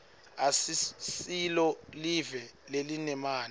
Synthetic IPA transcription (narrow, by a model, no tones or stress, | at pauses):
asisilɔlivɛlelinɛmaːn